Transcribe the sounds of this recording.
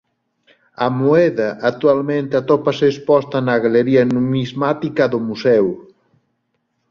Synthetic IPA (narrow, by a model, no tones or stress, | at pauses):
ɐmoɛðɐʔat̪ualmẽnt̪eat̪ɔpaseːspɔst̪ɐnɐɣaleɾiɐnumizmat̪ikɐðʊmusɛw